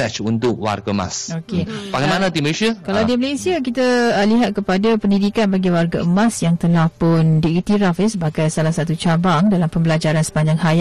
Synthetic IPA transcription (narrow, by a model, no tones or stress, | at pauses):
ɛt͡ʃunt̪ʊk̚wa̰rɡama̰sokepakamanãt̪iməlesiakaladiməlesiakit̪əliɦat̪̚kəpadapəndidikanbaɡiwarɡaəmãsjaŋt̪əlahpʊndiit̪iɾafisəbaɡajsalasat̪ut͡ʃabaŋdalampəmbəlad͡ʒaɾansə̥paɲd͡ʒaŋhaja